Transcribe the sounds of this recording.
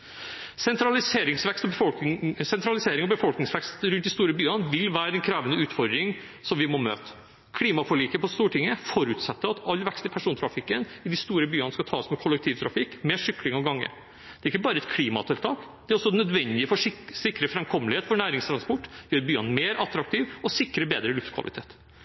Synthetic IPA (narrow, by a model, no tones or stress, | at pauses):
sɛnt̪ɾɑlɪseːɾɪŋsʋɛkst̪ɔbəfɔsɛnt̪ɾɑlɪseːɾɪŋɔbəfɔlknɪŋsʋɛkst̪ɾʉnt̪ɪst̪uːɾəbyːənʋɪlʋæːɾəɛnkʰɾæːʋənəʉːt̪fɔɾd̪ɾɪŋ | sɔmʋɪmɔmø̰ːt̪ə̥ | kʰliːmɑfɔɭiːkəpɔst̪uːʈʰɪŋːəfɔɾʉt̪sɛt̪ːəɑt̪ɑlːʋɛkst̪ɪpʰæʂuːnt̪ʰɾɑfɪkːənɪd̪ɪst̪uːɾəbyːɑnəskɑt̪ʰɑːsmɛkʰɔlːɛk̚t̪ʰiːʋt̪ʰɾɑfɪkːmeːʂʏklɪŋɑʋɡɑŋːə̰ | d̪ɛæɾɪkːəbɑːɾəɛt̪kʰliːmɑ̰t̪ʰɪlt̪ʰɑːkd̪̥ɛæɾɔsːɔnœd̪ʋɛnd̪ɪəfɔsɪkːɾəfɾɛmkʰɔmlɪheːt̪fɔɳæːɾɪŋst̪ʰɾɑnspɔʈːjøːɾbyːənmeːɾʔɑt̪ɾɑk̚t̪ʰiːʋɔsɪkːɾəbeːd̪ɾəlʉft̪kʰʋɑ̰lʔɪt̪ʰḛːt̪